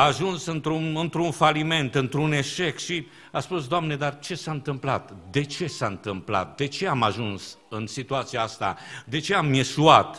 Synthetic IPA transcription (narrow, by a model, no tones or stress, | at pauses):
aːʒunsɨnt̪ɾunɨnt̪ɾunfalime̞nt̪ɨnt̪ɾune̞ʃe̞kʃi | aspusd̪oamne̞d̪art͡ʃe̞saɨnt̪ɨmplat̪d̪e̞t͡ʃe̞saɨnt̪ɨmpla̰t̪̚d̪e̞t͡ʃe̞amaʒuns | ɨnsit̪uat̪sijaast̪a̰d̪e̞t͡ʃe̞amjesuat̪